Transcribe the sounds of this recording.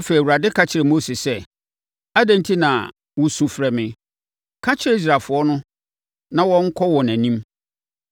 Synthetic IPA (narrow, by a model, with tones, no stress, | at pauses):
a˦fe˨i˨u˨ɾa˨dɪ˦kʰa˨t͡ɕʰɪ˨ɛ˨mo˦si˨sɛ˦ | a˦dæ̃˨ntʰi˦nã̰˨ | wʊ˨sũ˨fɾɛ˨mɪ̃˨ | kʰa˦t͡ɕʰɪ˦ɾɛ˦i˦s̬ɾaː˨lfʊ˨ɔ˦nʊ̃˦ | nã˨wɔ̃˦ŋ̩˦kʰɔ˦wɔ˨næ̃˨nĩ˦m